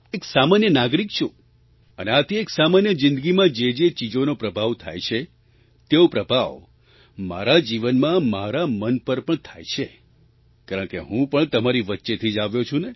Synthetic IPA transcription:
eksamanjənaɡɾikt͡ʃʰo | əneat̪ʰieksamanjəd͡ʒɪ̃nd̪əɡimãd͡ʒed͡ʒet͡ʃid͡ʒonopɾəbʱaʋt̪ʰa̰jt͡ʃʰe | t̪eopɾəbʱaʋ | ma̰ɾad͡ʒiʋənmãmaɾamənpəɾpəɳt̪ʰajt͡ʃʰe | kaɾəɳkḛɦũpəɳt̪əmaɾiʋətːʃet̪ʰid͡ʒaʋjot͡ʃʰũne

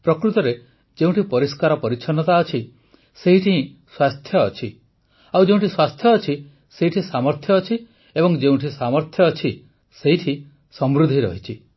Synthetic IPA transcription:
pɾɔkɾut̪ɔɾe | d͡ʒeũʈʰipɔɾiskaɾɔpɔɾit͡ʃʰɔnɔt̪aɔt͡ʃʰi | seɦiʈʰiɦĩswast̪ʰjɔːt͡ʃʰi | awd͡ʒeũɳʈʰiswast̪ʰjɔːt͡ʃʰi | seɦiʈʰĩsamɔɾt̪ʰjɔːt͡ʃʰi | ebɔŋd͡ʒeũʈʰisamɔɾt̪ʰjɔːt͡ʃʰi | seɦiʈʰi | sɔmɾud̪ʱiɾɔ̰ɦit͡ʃʰi

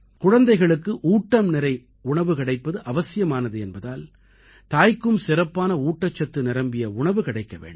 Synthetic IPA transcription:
kʊɻɐnd̪ɐɪɣɐɭɯkːɯʔuːʈːɐmnɪɾɐɪ | ʊɳɐʋɯkɪɽɐɪpːɐðɯʔɐʋɐsɪjɐmaːnɐðɯɛnbɐðaːl | t̪aːjkːɯmsɪɾɐpːaːnɐuːʈːɐt͡ʃːɐt̪ːɯnɪɾɐmbɪjɐʊɳɐʋɯkɪɽɐɪkːɐʋḛːɳɖ

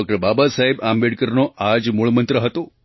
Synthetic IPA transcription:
k̚ʈəɾbabasaɦebambeɽkəɾnoʔad͡ʒmuɭmənt̪ɾəɦət̪o

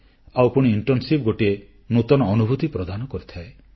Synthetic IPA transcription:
awpuɽ̃iːɳʈɔnsip̚ɡoʈie | nut̪ɔnɔːnubʱut̪ipɾɔd̪ʱanɔkɔɾit̪ʰae

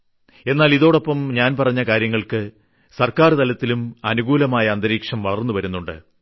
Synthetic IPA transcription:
e̞nːaːliðo̞ːɽo̞pːɐmɲaːnpɐrɐɲːɐkaːɾjɐŋːɐɭkɨ | sɐrkaːrt̪ɐlɐt̪ːilumɐnuɡuːlɐmaːjɐːnd̪ɐɾiːkʂɐmʋɐɭɐrnːuʋɐɾunːuɳɖɨ̰

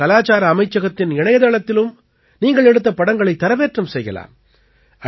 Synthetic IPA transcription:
ɐlaːt͡ʃaːɾɐːmɐɪt͡ʃːɐɣɐt̪ːɪnɪɳɐjɐðɐɭɐt̪ːɪlɯm | niːŋɡɐɭɛɽɯt̪ːɐpːɐɽɐŋɡɐɭɐɪt̪ːɐɾɐʋeːʈrɐmsɛjɣɐ̰la̰ːm | ɐ

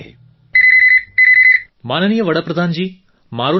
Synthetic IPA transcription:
e | maːnənijəʋɐɽɐpɾɐd̪ʱaːnd͡ʒiː | maːɾu

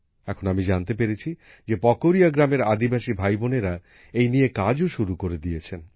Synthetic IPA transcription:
ɛkʰonamid͡ʑant̪epeɾet͡ɕʰi | d͡ʑepɔkoɾijaɡɾameɾad̪ibaʃibʱajboneɾa | ejnijekad͡ʑoʃuɾukoɾed̪ijet͡ɕʰen

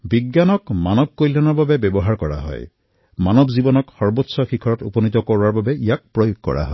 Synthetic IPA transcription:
biɡjanɔkmanɔb̚kojlanɔɹbabɛbɔbɔɦaɹkɔɹa̰ɦɔ̰j | manɔbzibɔnɔkxɔɹbotsɔxikʰɔɹɔtupɔnit̪ɔkɔɹaɹbabɛijak̚pɹɔjoɡ̚kɔ̰ɹa̰ɦɔj

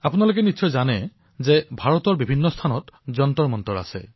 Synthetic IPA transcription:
apunalokɛnitsʰɔjzanɛ | zɛbʱaɹɔtɔɹbibʱinːɔst̪ʰanɔtzɔntɔɹmɔntɔɹa̰sɛ̰

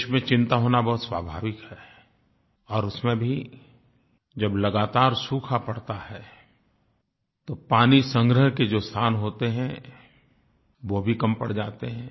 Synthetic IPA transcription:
ʃmẽt͡ʃɪ̃nt̪aɦoːnabɐɦʊt̪swaːbʱaːʋɪkɦɛː | ɔːɾʊsmẽbʱi | d͡ʒɐblɐɡaːt̪aːɾsuːkʰapɐɽ̤t̪aɦɛː | t̪opaːnisə̃ŋɡɾəɦked͡ʒoːst̪ʰaːnɦoːt̪eɦɛ̃ | ʋobʱikɐmpə̰ɽ̤d͡ʒaːt̪eɦɛ̃ː

